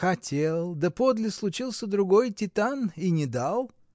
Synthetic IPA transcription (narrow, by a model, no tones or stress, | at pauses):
xɐtʲelˠd̪əpod̪lʲɪslˠʊt͡ɕilˠsʲəd̪ɾʊɡojtʲɪt̪aninʲɪd̪alˠ